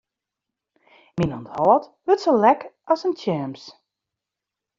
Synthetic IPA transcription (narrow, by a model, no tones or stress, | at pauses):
minɔ̰nthɔlˠətʋøtsəlɛkɔsəntʰjɛːms